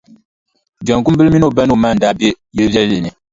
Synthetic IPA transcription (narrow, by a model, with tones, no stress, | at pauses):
d͡ʒa˨ŋku˦mbɨ˦lmi˦no˦˨ba˦n˦o˨maː˦˨n̩˨daː˦be˦ | jɛ˦bɛ˦llɨ˨nɨ˨